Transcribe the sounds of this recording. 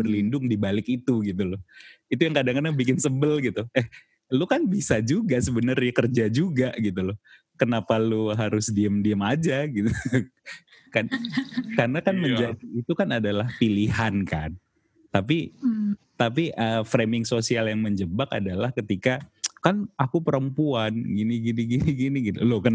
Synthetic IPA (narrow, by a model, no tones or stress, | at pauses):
bərlindʊŋdibalɪkit̪uɡit̪ulʊit̪ujaŋkadaŋkadaŋbikɪnsəbəlɡit̪uɛh | lokanbisad͡ʒuɡasəbənərɲakərd͡ʒad͡ʒuɡaɡit̪ulʊ | kənapaloɦaɾʊsdiəmdiəmad͡ʒaɡit̪u | kakarnakanməɲd͡ʒadiːt̪ukanadalahpiliɦankan | t̪ap̬i | t̪apiʔəfɾemɪŋsosialjaŋməɲd͡ʒəbaka̰dalahkət̪ikakanakupəɾəmpuanɡiniɡiniɡiniɡiniɡit̪ulokən